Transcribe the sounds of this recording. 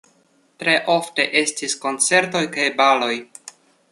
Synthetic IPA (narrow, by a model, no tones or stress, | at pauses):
tɾe̞ʔo̞fte̞ʔe̞stisko̞nt͡se̞ɾto̞jkajbalo̞j